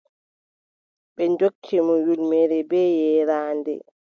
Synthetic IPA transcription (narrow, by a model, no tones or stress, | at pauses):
ɓɛnd͡ʒokʰːimɔjulmɛɾɛbɛːjɛːɾaːndɛ̰